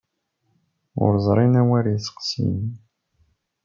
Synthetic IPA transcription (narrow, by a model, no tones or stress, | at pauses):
ʊ̰ɾzˤɾˤinæwæɾisə̥qsḭn